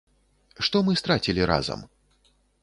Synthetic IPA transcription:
ʂt̪ɔmɨst̪ɾat͡sʲilʲiɾa̰zɐ̰m

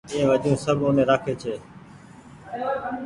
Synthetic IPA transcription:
ĩːẽːʋəʄũːsəbʱʊnẽːɾaːkʰeːt͡ʃʰeː

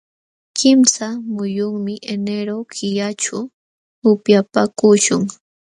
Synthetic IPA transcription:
kɪmsamʊjʊŋmɪʔeneɾokʰɪjat͡ʃʊ | ʊpjapakʊʃʊŋ

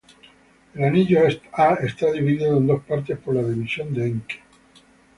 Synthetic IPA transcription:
elaniʎoɛst̪aest̪aðiβiðiðoẽnd̪ospaɾt̪̬espoɾlaðiβisjond̪eeŋke̥

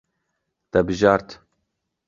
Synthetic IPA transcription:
d̪̥ɛbɨʒɑːɾt̪

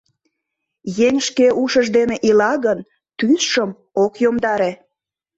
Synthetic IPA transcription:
jeŋʃkeʔuʃəʒd̪eneʔilɑɣən | t̪ysʃəm | okjomd̪ɑɾe

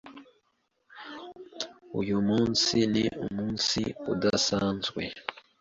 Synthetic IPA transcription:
ujumuːnsiniʔumuːnsḭudasaːnzwḛ

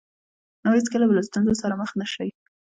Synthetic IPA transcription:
nawit͡skəlabəlast̪unzosaɾaməxnaʃəwi

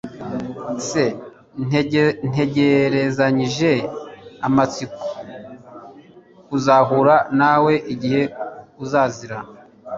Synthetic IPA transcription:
se | nn̥e̞ɟeɾezaɲiʒe̞amat͡siko̥ | kuzaɦuɾanawe̞ʔiɟihe̞kuzaːziɾa

